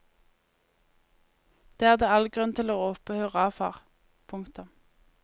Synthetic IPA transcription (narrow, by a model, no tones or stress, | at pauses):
d̪̥eːæːʁd̪eːɑlɡʁʉnt̪ʰɪloːoːpəhøːʁəɑːfɑ̰ːʁ | pʰʊŋkt̪ʊm